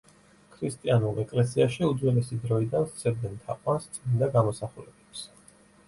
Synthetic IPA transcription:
kʰɾist̪ʼianulˠɛkʼlɛsiaʃiud̪zwɛlɛsid̪ɾɔid̪anst̪sʰɛɾd̪ɛnt̪ʰaqʼwanst̪sʼinnd̪aɡamɔsaχulɛbɛps

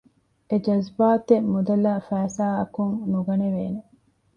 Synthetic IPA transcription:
ed͡ʒɐzbaːt̪emud̪ɐlaːfæːsaːɐkuŋnuɡɐneʋeːne

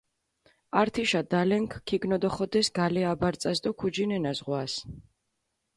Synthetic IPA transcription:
aɾt̪ʰiʃad̪alɛŋkʰkʰːiɡnɔd̪ɔχɔd̪ɛsɡalɛabaɾt̪sʼasd̪ɔkʰud͡ʒinɛnazʁwas

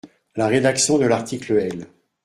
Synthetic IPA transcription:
laʁed̪aksjɔ̃d̪əlaʁt̪ʰikləɛl

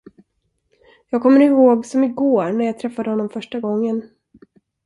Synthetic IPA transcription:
jɑːɡ̚kʰɔmːəɾɪhoːɡsɔmɪɡoːɾɳæɾjɑːt̪ʰɾɛfːad̪əhɔnːɔmfœʂʈaɡɔŋːən

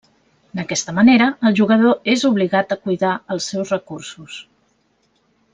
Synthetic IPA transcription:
d̪əkɛst̪əməneɾəːlˠʒuɣəðoezuβliɣat̪əkujðaəlˠsːɛwzrəkursus

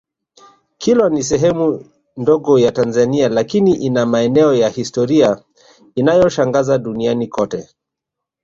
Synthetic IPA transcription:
kʰilwanis̬ɛɦɛmu | ndɔɡɔjatanzanialakiniʔinamaɛnɛɔjahistɔɾia | inajɔʃaŋɡazaɗunianikɔtɛ

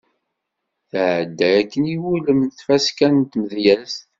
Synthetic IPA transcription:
θʕəd̪ːɾækːəniwuləmnθfæskænt̪məðjæst̪

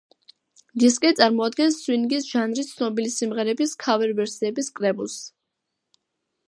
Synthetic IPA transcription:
d̪iskʼɛt̪sʼaɾmɔad̪̚ɡɛnsːwinɡisʒ̥anɾist̪sʰnɔbilisimʁɛɾɛbiskʰavɛɾvɛɾsiɛbiskʼɾɛbulˠs

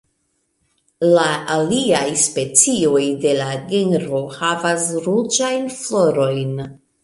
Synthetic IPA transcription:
laːliajspe̞t͡sio̞jde̞laɡenɾo̞havasɾud͡ʒajnflo̞ɾo̞jn

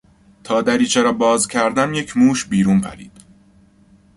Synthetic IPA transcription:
t̪ʰɒːd̪æɾiːt͡ʃʰeɾɒːbɒːzcʲʰæɾd̪ænje̞cʰmuːʃbiːɾuːnpʰæ̰ɾḭːd̪̥

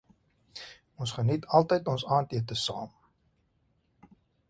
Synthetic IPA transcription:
ɔnsχənitʰɐlˠtəjtɔnsɑːntiətəsɑːm

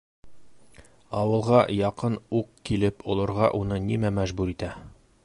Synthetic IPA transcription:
ɒwɤ̆lˠʁɑjɒqɤnuqkilɘpŏlˠɤ̆ɾʁɑʔunɤnimæmæʒbʉɾit̪æ

